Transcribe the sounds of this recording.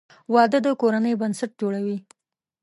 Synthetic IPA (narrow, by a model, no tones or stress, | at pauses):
wɑd̪əd̪əkoɾanəjbənsaʈ̚d͡ʒoɽawi